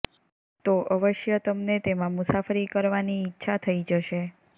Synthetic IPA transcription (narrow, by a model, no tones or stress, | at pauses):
t̪oʔəʋəʃjət̪əmnet̪emãmusafəɾikəɾʋaniːtːʃʰat̪ʰəid͡ʒəʃe